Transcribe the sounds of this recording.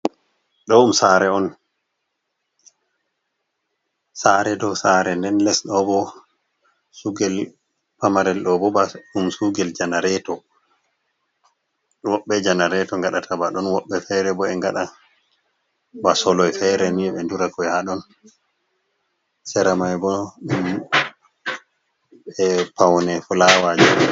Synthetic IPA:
ɗɔumsaɾɛɔn | saɾɛdɔsaɾɛndɛnlɛsɗɔbɔ | suɡɛl | pamaɾɛlɗɔbɔbaumsuɡɛld͡ʒanaɾɛtɔ | wɔɓːɛd͡ʒanaɾɛtɔŋɡaɗatʰabaɗɔnwɔɓːɛfɛɾɛbɔɛŋɡaɗa | basɔlɔjfɛɾɛmiɛɓɛnduɾakɔjhaɗɔn | sɛɾamajbɔɗum | ɛpawnɛfulawad͡ʒa

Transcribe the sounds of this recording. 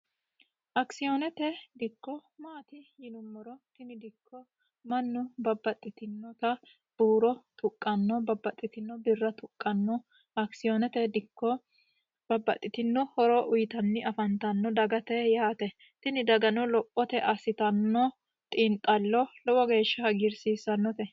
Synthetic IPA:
ʔɐksɪjɔnɛt̪ɛd̪ɪkːɔmaːt̪ɪjɪnʊmːɔɾɔt̪ɪnɪd̪ɪkʰːɔ | mɐnːʊbɐbːɐt̪ʼːɪt̪ɪnːɔt̪ɐ | b̥uːɾɔt̪ʰʊkʼːɐnːɔbɐbːɐt̪ʼːɪt̪ɪnːɔbɪrːɐt̪ʊkʼːɐnːɔ | ɐksɪjɔnɛt̪ɛd̪ɪkːɔ | bɐbːɐt̪ʼːɪt̪ɪnːɔhɔɾɔʔʊjɪt̪ɐnːɪɐfɐnt̪ɐnːɔd̪ɐɡɐt̪ɛjaːt̪ɛ | t̪ɪnɪd̪ɐɡɐnɔlɔpʼːɔt̪ɛʔɐsɪt̪ɐnːɔ | t̪ʼɪːnt̪ʼːɐlːɔlɔwɔɡe̞ːʃːɐɐɡɪɾsiːsɐnːɔt̪ɛ

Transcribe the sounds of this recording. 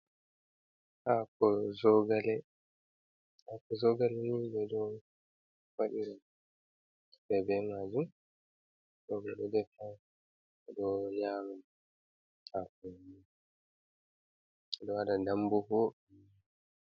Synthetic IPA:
ʔakɔzɔɡalɛ | akɔzɔɡalɛnibɛdɔ | waɗiɾa | bɛbɛmad͡ʒu | zɔɡalɛdɛfa | ɛdɔɲaːma | akɔni | ɛdɔhadadambuho

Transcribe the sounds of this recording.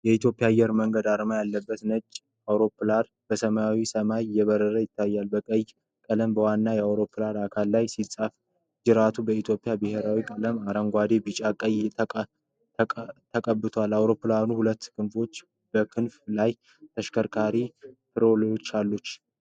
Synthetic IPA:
jɛit̪ʰjo̞pʼːjaːjːɛɾməŋɡəd̪aɾmajalːəbːət̪nət͡ʃʼː | awɾo̞pːlad̪ | b̥əsəmaawisəmajjɛβəɾəɾəjɪt̪ʰːajːalbəkʼəj | kʼələmbəwanːajɛawɾo̞pʰːɨlad̪akʰalːajsisʼaf | d͡ʒɨɾat̪ʰubəit̪ʰjo̞pʼijabɨhe̞ɾawikʼələmaɾəŋɡʷad̪e̞bɨt͡ʃʼakʼəj | t̪ʰəkʼəbːɨt̪ʰoalːawɾo̞pːɨlanuhulət̪ːkʰɨnfo̞t͡ʃː | bəkʰɨnflaj | t̪ʰəʃkʰəɾkʰaɾifʰɨɾo̞ljo̞t͡ʃːalːut͡ʃː

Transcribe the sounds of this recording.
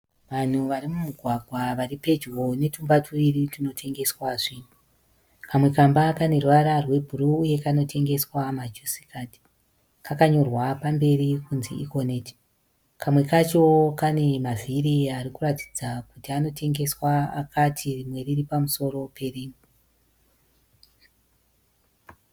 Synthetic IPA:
ʋan̤uʋaɾimumuɡʱwaɡʱwaʋaripe̞d͡ʒɣo̞ne̞tumbatʰuiritino̞tʰe̞ŋɡe̞swaʐin̤u | kʰamwe̞kambakane̞rwaɾarwe̞bʱuruuje̞kano̞tʰe̞ŋɡe̞swamad͡ʒusi̥kʰati̥ | kakaɲo̞rwapambe̞rikunzḭiko̞neːti̥ | kʰamwe̞kat͡ʃokane̞maviriaɾikurati̥d͡zakutiano̞tʰe̞ŋɡe̞swaa̰kʰatʰirimwe̞riripamuso̞ɾo̞pe̞riːmu

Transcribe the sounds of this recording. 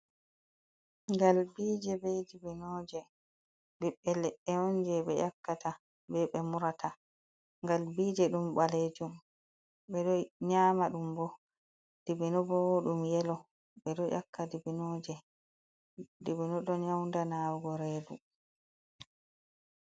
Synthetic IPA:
ŋɡalbiːd͡ʒɛbɛdibinɔːd͡ʒɛ | biɓːɛlɛʔɛhɔnd͡ʒɛɓɛjakːata | bɛɓɛmuɾatʰa | ŋɡalbiːd͡ʒɛɗumbaleːd͡ʒum | ɓɛɗɔɲaːmaɗumbɔ | d̥ibinɔbɔwoɗumjɛlɔ | ɓɛɗɔjʔa̰kːadibinɔːd͡ʒɛ | dibinɔɗɔnɲawndanawɡɔɾeːdu

